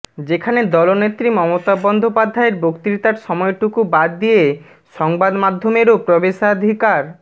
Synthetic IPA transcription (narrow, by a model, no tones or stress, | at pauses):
d͡ʑekʰaned̪ɔlonet̪ːɾimɔmot̪abɔnd̪opad̪ʱaeɾbokt̪iit̪aɾʃɔmɔeʈukubad̪ːije | ʃɔŋbad̪mad̪ʱːomeɾopɾɔbeʃad̪ʱikaɾ